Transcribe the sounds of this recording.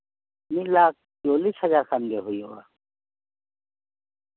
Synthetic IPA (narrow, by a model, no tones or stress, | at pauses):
milaːk̚ʰt͡ʃoːliːshɐzaːɾxanɡeɦujoa̰ː